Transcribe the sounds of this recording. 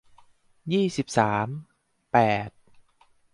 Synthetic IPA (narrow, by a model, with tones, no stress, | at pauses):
jiː˥˩si˨˩p̚saː˩˦m | pɛː˨˩t̪̚